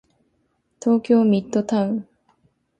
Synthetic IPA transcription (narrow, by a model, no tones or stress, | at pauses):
t̪oːkʲjomʲit̪ːot̪ʰaɯ